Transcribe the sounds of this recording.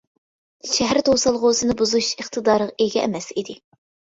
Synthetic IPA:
ʃɛɦæɾt̪ʰowsɑlˠʁʊsɨnɨbuzuʃəχt̪ʰɨd̪ɑːɾəʁɑeɡʲɛɛ̰mɛsid̪ɪ

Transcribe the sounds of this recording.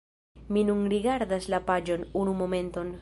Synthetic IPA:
minunɾiɡaɾd̪aslapad͡ʒo̞nunumo̞me̞nt̪o̞n

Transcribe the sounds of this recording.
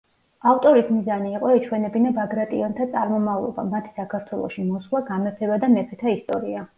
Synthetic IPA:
aft̪ʼɔɾismizaniːqʼɔɛt͡ʃʰwɛnɛbinabaɡɾat̪ʼiɔnt̪ʰat̪sʼa̰ɾmɔmavlˠɔ̰ba̰mat̪ʰi̥sakʰaɾt̪ʰwɛlˠɔ̰ʃimɔslˠaɡamɛpʰɛbad̪amɛpʰɛt̪ʰaist̪ʼɔɾia

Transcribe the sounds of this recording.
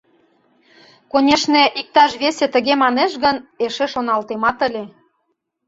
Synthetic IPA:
konʲeʃneʔik̚t̪ɑʃβeset̪ə̆ɣemɑneʃɣəneʃeʃonɑlt̪emɑt̪ə̆lʲe

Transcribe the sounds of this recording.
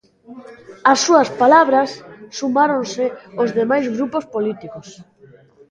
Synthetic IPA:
ɐsːuɐspalaβɾɐsːumaɾonsɪozðemajzɣɾupospolit̪ikos

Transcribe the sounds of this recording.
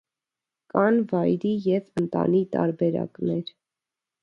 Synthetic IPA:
kɑnvɑjɾijɛvənt̪ɑ̰nit̪ɑ̰ɾbɛɾɑ̰knɛɾ

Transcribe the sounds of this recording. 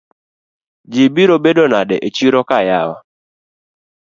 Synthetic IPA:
d͡ʒibiɾobedonadɛʔet͡ʃiɾɔkajawa̰

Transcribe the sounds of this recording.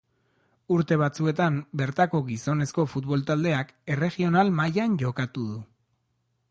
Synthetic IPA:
uɾt̪e̞β̞at͡sue̞t̪ambe̞ɾt̪ako̞ɣiso̞ne̞sko̞fut̪βo̞lt̪ald̪e̞ake̞re̞ɣio̞nalmajanʝo̞kat̪uðu

